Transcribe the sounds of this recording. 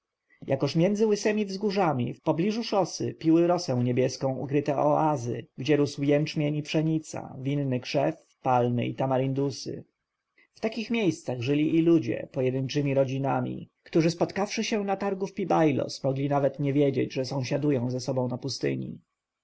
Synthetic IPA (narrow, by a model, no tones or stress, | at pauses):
jʔakɔʂmʲjɛnd̪zɘwɘsɛmʲivzɡuʐamʲḭfpɔblʲiʐuʂɔsɘ̰pʲiwɘɾɔsɛ̃w̃ɲebʲjɛskɔ̃w̃ṵkɾɘt̪ɛʔɔʔazɘ̰ɡd͡ʑɛɾuswjɛnt͡ʂmʲjɛɲipʂɛɲit̪sa̰vʲinːɘkʂɛf | palmɘ̰it̪amaɾind̪usɘ̰ | ft̪akʲixmʲjejst̪saɣʐɘlʲiʔilud͡ʑɛ̰pɔjɛd̪ɘnt͡ʂɘmʲiɾɔd͡ʑinamʲḭkt̪uʐɘspɔt̪kafʂɘɕɛnat̪aɾɡufpʲibajlɔ̰smɔɡlʲinavɛt̪ɲɛvʲjed͡ʑḛd͡ʑʐɛsɔ̃w̃ɕad̪ujɔ̃w̃zɛsɔbɔ̃w̃napust̪ɘ̰ɲḭ